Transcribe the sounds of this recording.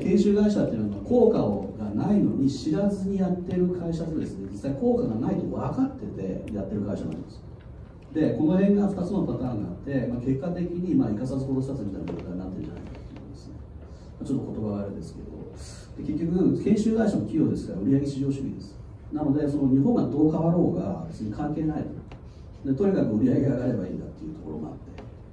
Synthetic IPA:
kẽ̞ɰ̃ɕɨːɡaiɕat̪ːei̟namakʰo̞ːkaoɡanaino̞̰ɲ̟iɕiɾazɨɲ̟ijat̪ːe̞ɾɯ̟kʰaiɕad̪ed̪e̞sɨne̞d͡ʑisːaiko̞ːkaɡanait̪o̞βakat̪ːe̞t̪e̞̰jat̪ːe̞ɾɯ̟kaiɕanã̰nd̪esɨ̥ | d̪e̞ko̞noɦẽ̞ŋɡaɸɯ̟t̪at͡sɨno̞pat̪ãːŋɡa̰at̪ːe̞maːke̞kːat̪e̞kʲiɲ̟imaːikasazɨɦo̞ɾo̞ɕi̥sat͡sɨmʲit̪ainak̪oot̪aɲinat̪ːe̞ɾɯ̟ɲd͡ʑana̰ikakat̪oḭ̃nd̪esɨ̥ne̞ | maːt͡ɕo̞t̪ːoko̞t̪o̞baɡaːɾɯd̪e̞sɨ̥ke̞̰d̪o̞̰ | d̪̥e̞ke̞kʲːo̞kɯakẽ̞ɰ̃ɕɨːd̪aiɕamokʲijo̞ːd̪e̞sɨ̥kaɾaɯ̟ɾʲiaɡe̞ɕiʑo̞ːɕɨɡʲḭd̪e̞sɨ̥ | nano̞d̪e̞so̞noɲ̟iɦõ̞ŋɡad̪o̞ːkaβaɾo̞ːɡa̰be̞t͡sɨɲ̟ikʰãŋke̞ːnait̪o | d̪e̞t̪o̞ɲʲikakɯ̟ɯ̟ɾʲijaɡe̞ɡaɡaɾe̞baḭːnd̪at̪ːe̞jɯ̟t̪o̞ko̞ɾo̞̰mo̰a̰t̪ːe̞

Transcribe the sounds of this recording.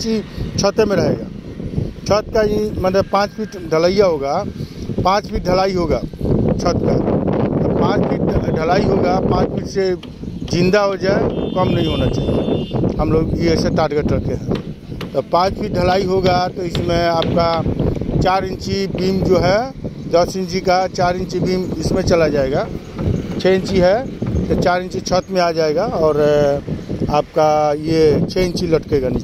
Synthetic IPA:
t͡ʃit͡ʃʰət̪emeɾəɦeɡa̰ | t͡ʃʰət̪̚kaiməd̪əpãt͡ʃpʰiʈɖʱələijaɦoɡapãt͡ʃpʰiʈ̚ɖʱəlaiɦoɡat͡ʃʰət̪kat̪ɔpãt͡ʃpʰiʈɖʱəlaiɦoɡapãt͡ʃpʰiʈse | d͡ʒĩnd̪aɦod͡ʒaekəmnəĩɦonat͡ʃaɦijḛɦəmloɡieseʈaʈɡəʈəkeɦɛ̃ | t̪ɔpãːt͡ʃpʰiʈ̚ɖʱəlaːiɦoɡat̪ɔɪsmẽaːp̚kat͡ʃaːɾɪnt͡ʃibimd͡ʒoɦɛd̪əsɪ̃nt͡ʃikat͡ʃaːɾɪnt͡ʃibimɪsmẽt͡ʃəlad͡ʒaːeɡa | t͡ʃʰɛ̃nt͡ʃiɦɛset͡ʃaːɾɪnt͡ʃit͡ʃʰət̪mẽad͡ʒaeɡaɔːɾ | aːp̚kajet͡ʃʰɛɪ̃nt͡ʃiləʈkeɡan

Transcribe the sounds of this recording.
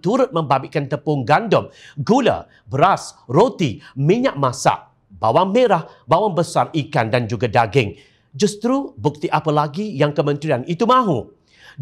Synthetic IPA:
t̪uɾʊt̪̚mə̃mbabiʔkant̪əpʊŋɡandɔmɡula̰ | bəɾasrot̪imĩɲaʔ̚mãsa̰ʔ | bawaŋmeɾahbawaŋbəsarikandand͡ʒuɡadaɡɪŋ | d͡ʒust̪ɾubuk̚t̪iʔapalaɡijaŋkəmə̃nt̪ɾianit̪umãɦu

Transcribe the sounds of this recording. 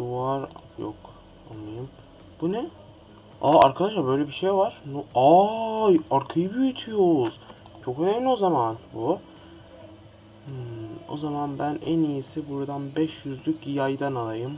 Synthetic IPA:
d̪uvaɾ | jo̰k | anːajɯm | bunɛ | aa̰ɾkʰad̪aʃlˠaɾbø̞jlʲɛbiʃejvaɾ̥nuajaɾkʰajɯbyjyt̪ʰyjo̞z̥ | t͡ʃʰo̞kø̞nemlʲio̞zamanbu | o̰zamanbænʔænijisibuɾad̪anbɛʃjyzlʲycijajd̪analˠajɯm

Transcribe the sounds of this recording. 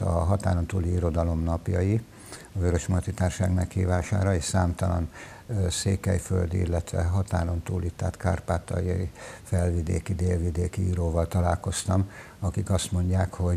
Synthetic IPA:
ɒɦɒt̪aːɾo̞nt̪uːliiɾo̞d̪ɒlo̞mnɒpjɒji | ɒvøɾøʃmɒt̪it̪aːrʃaːɡmɛkhḭːvaːʃa̰ːɾɒeːʃsaːmt̪ɒlɒ̰n | seːkɛjfø̰ld̪iḭlːɛt̪ʋɛ̰ɦɒt̪a̰ːɾo̞nt̪uːlit̪ːaːt̪kaːrpaːt̪ɒ̰j̰fɛlvid̪ḛːkid̪eːlvid̪eːkiḭːɾoːvɒlt̪ɒlaːlko̞st̪ɒm | ɒkikɒst̪mo̞ɲɟaːkho̞

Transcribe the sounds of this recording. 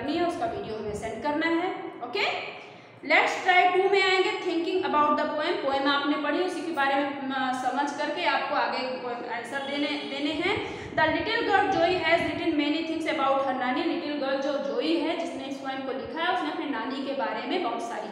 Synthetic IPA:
ɾniɦɛʊskaʋiːɖijomẽsɛ̃nɖ̚kɐɾnaɦɛoːke | lɛːʈsʈɾaːɪʈuːmẽaːẽŋɡet̪ʰɪ̃ŋkɪ̃ŋɡɐbaːʊʈ̚d̪əpoːɛmpoːɛmaːpnepɐɽ̤iʊsikebaːɾemẽsɐməd͡ʒʱkɐɾkeaːp̚koaːɡepomɛːsəɾd̪eːed̪eːneɦɛ̃ | d̪ɐlɪʈəlɡəɾd͡ʒoːiɦɛːsɾɪʈənmeːnit̪ʰɪ̃ŋseɐbaːʊʈɦɐ̃nɖaːnilɪʈəlɡəɾd͡ʒod͡ʒoːiɦɛd͡ʒɪsneɪ̃nsɾɔːɪmkolɪkʰaɦɛʊsneɐpnenaːnikebaːɾemẽbɐɦʊt̪saːɾi

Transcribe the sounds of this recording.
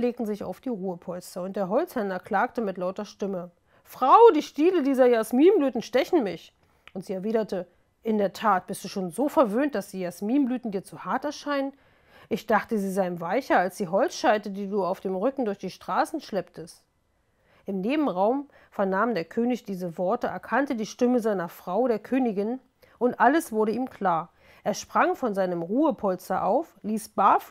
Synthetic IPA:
leːk̚tn̩zɪça̰ʊfd̥iːʁuːəpʰɔlstɐʊntd̥eːɐɦɔlt͡shɛnɐkl̥aːk̚təmɪtlaʊtɐʃtɪmə | fʁ̥aʊdiːʃtiːlədiːzɐjasmiːnblyːtn̩ʃtɛçn̩mɪç | ʊntz̥iːɛɐviːɾɐtə | ʔɪndeːɐtʰaːt̚b̥ɪst̚d̥uːʃoːnzoːfɛɐvøːnt̚d̥asd̥iːjasmiːnblyːtn̩diːɐt͡suhaɐtɛɐʃaɪnən | ʔɪçd̥aχtəziːzaɪɪmvaɪçɐalsd̥iːɦɔlt͡sʃaɪtədiːduːaʊfd̥eːmʁʏkŋ̩dʊɐçd̥iːʃtʁ̥aːsn̩ʃlɛptʰəst | ʔɪmneːbm̩ʁaʊm | fɛɐnaːmdeːɐkʰøːnɪçd̥iːzəvɔɐtəʔɛ̰ɐkʰantədiːʃtɪməzaɪnɐfʁ̥aʊɾeːɐkʰøːnɪɡɪn | ʔʊntʔaləsv̥ʊɐɾəiːmkʰl̥aːɐ | ʔeːɐʃpʁ̥aŋfɔnzaɪnəmʁuːəpʰɔlstɐʔaʊfliːsb̥af

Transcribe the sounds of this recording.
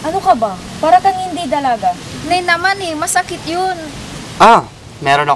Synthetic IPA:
ʔɐnokɐbapaːɾɐk̪ɐŋhɪnd̪id̪ɐlaɡanɛnɐmanɛmɐsɐkɪt̪jonʔa | mɛːɾonɐ

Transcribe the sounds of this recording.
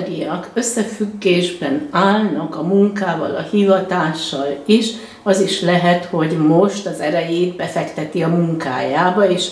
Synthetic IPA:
ɡiɒkø̞sːɛfyɡːeːʒbɛnaːlnɒkɒmuŋkaːvɒ̰lɒ̰hivɒt̪aːʃːɒliʃ | ɒziʃlɛɦɛt̪ho̞ɟmo̞ʃt̪ɒzɛɾɛjeːd̪bɛfɛkt̪ɛt̪iɒmuŋka̰ːjaːbɒeːʃ

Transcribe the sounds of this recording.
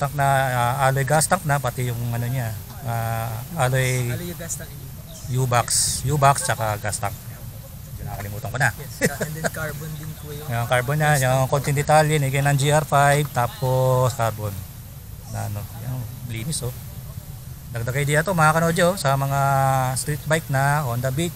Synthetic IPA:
t̪ɐŋk̚nɐaʔaːlojɡast̪ɐŋk̚nɐpɐt̪ɪjʊŋɐnoɲa | aʔaːloɡ | juːbaksjuːbakst͡ʃakaɡast̪aŋk̚ | d͡ʒʊnɐakɐlɪmuːt̪ɐŋkona | bond̪ɪnpjaŋkaɹbonɲajaŋkont̪ɪnd̪ɛt̪aljiniɡɐjnɐŋd͡ʒiʔaɾfajb̚t̪aːposkaɾbonː | ɐ̰ɐnojaŋliːnɪso | d̪ɐɡ̚d̪ɐɡɐjd̪ijat̪omɐhaːkɐnod͡ʒosɐmɐŋast̪ɾit̪̚bajk̚nɐoɐnd̪ɐbit͡ʃ

